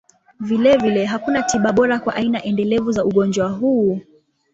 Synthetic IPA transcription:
vilɛvilɛɦakunatiɓaɓɔɾakwaʔainaʔɛndɛlɛvuzauɠɔnd͡ʒwaɦuː

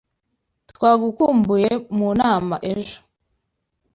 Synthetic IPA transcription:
twaːɡukuːmbujemunaːmaʔe̞ʒo̥

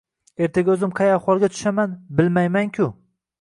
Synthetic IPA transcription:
e̞ɾt̪ʰaɡʲaɵzɪmqʰɑjaχɒlˠɡʲat̪ʰʊ̥ʃamanbɪlmajmaŋkʲʰʊ

